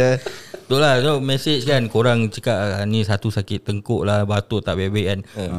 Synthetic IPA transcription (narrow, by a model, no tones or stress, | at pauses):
t̪oʔlanomɛsɪt͡ʃkankoɾaŋt͡ʃəkaʔanĩsat̪usakɪt̪ːəŋkʊʔlahbat̪ut̪aʔbɛbɛʔkan